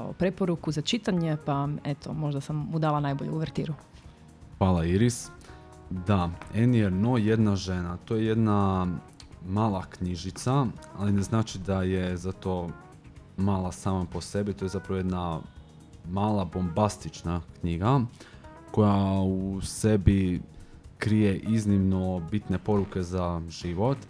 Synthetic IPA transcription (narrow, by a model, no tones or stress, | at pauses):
o̰pɾe̞poɾukuzat͡ʃit̪aɲepaet̪ʰomo̞ʒd̪asamːud̪aːlˠanajboʎeuʋeɾt̪ḭːɾu | xʋaːlˠaiɾis | d̪aenieɾnoje̞d̪naʒenat̪ojeje̞d̪na | maːlˠakɲiʒit̪saalineznaːt͡ʃid̪ajezat̪o̞ | maːlˠasaːmapo̞se̞bit̪o̞jezapɾaʋojed̪na | maːlˠabo̞mbast̪it͡ʃnakɲiɡa | ko̞jause̞bi | kɾije̞ʔiznimnobit̪ne̞po̞ɾuke̞zaʒ̥iʋo̞t̪